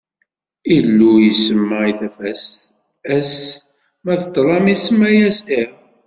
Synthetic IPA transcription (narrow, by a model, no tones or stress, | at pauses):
ilːujəsəmːæiθæfæst̪ | æs | mæðət̪ːɾˤɑmisəmæjæsiɾ